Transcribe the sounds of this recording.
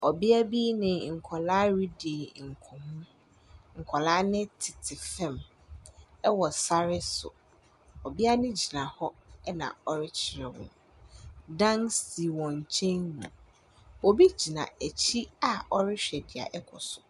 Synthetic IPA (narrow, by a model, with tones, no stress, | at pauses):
ɔ˨bi˦a˦bi˦nɪ̃˨ŋ̩˨kʰɔ˨laː˦ɥi˦de˨ŋ̩˨kʰɔ̃˨mũ˦ | ŋ̩˨kʰɔ˨laː˦nɪ̃˦tʰɪ˨tʰɪ˨fɛ̃˦˨m | ɛ˦wɔ˨sa˦ɾɪ˦sʊ̰˨ | ɔ˨bi˦a˦nɪ̃˦d͡ʑi˨nã˨hɔ˦ɛ˦nã̰˨ɔ˦ɾɪ˦t͡ɕʰɪ˨ɾã˨wʊ̰̃˨ | dã˦ŋsi˨wɔ̃˨ɲ˨t͡ɕʰɛ̃˦nnũ˨ | ɔ˨bi˦d͡ʑi˨nã̰˨æ˨t͡ɕʰi˦a˨ɔ˦ɾɪ˦ɕᶣɛ˨dɪ˨a̰˨ʔɛ˦kʰɔ˨sʊ˨